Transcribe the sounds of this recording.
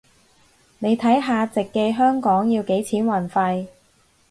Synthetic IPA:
ne˨˧jt̪ʰɐ˨˥jɦaː˧t͡sɪ˨kːe˧jɦœː˥ŋkɔː˨˥ŋjiː˧wke˨˥jt͡sʰiː˨˥nwɐ˨˩nfɐ˧j

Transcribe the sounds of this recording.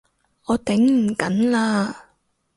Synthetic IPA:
ʔɔː˨˧t̪ɪ˨˥ŋm̩˨˩kɐ˨˥nlaː˧

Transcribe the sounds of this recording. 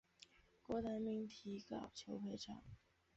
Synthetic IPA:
kwɔ˧˥t̪a˧˥nmi˧˥ŋt̪ʰi˧˥kɑ̰˨˩ʊt͡ɕʰjo˧˥ʊpʰe˧˥ɪʈ͡ʂʰɑ̰˨˩˦ŋ

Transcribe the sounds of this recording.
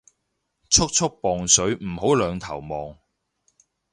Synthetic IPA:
t͡sʰʊ˥k̚t͡sʰʊ˥k̚pɔː˨ŋsɵ˨˥ɥm̩˨˩ɦo˨˥wlœː˨˧ŋt̪ʰɐ˨˩wmɔː˨ŋ

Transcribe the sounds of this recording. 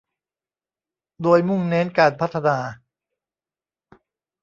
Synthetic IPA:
doː˧jmu˥˩ŋneː˦˥nkaː˧˩npʰa˦˥t̪ʰːa˧naː˧

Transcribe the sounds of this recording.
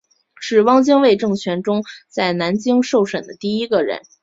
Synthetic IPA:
ʈ͡ʂɻ̩˥˨˩wɑ˥ŋt͡ɕi˥ŋwe˥˧ɪʈ͡ʂɤ˥˩ŋt͡ɕʰɥɛ˧˥nʈ͡ʂʊ˥ŋt͡sa˥˩ɪna˧˥nt͡ɕi˥ŋʂo˥˩ʊʂə˨˩nd̪ə˦t̪i˥˩i˥ɡə˧˨ɻə̰˧˥n

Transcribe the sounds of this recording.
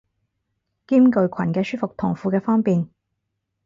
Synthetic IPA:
kiː˥mkɵ˨˧ɥkʰɐ˨˩nkɛː˧syː˥fʊ˨k̚t̪ʰʊ˨˩ŋfuː˨˧kɛː˧fɔː˥ŋpiː˨n

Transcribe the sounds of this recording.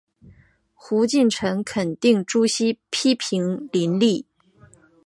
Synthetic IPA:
xu˧˥t͡ɕi˥˩nʈ͡ʂʰɤ˧˥ŋkʰə˨˩nt̪i˥˩ŋʈ͡ʂu˥ɕi˥pʰi˥pʰi˧˥ŋli˧˥nli˥˩

